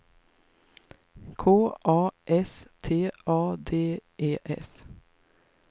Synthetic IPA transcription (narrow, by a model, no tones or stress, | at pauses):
kʰoːʔɑːʔɛst̪ʰeːʔɑːd̪eːʔeːʔɛ̰s